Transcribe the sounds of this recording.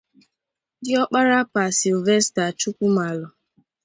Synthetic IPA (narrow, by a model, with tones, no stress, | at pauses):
dɪ˦ɔ˦k͡pa˦ɾa˦pa˨si˨lve˦sta˨t͡ʃu˦kʷu˦ma˨lɔ˨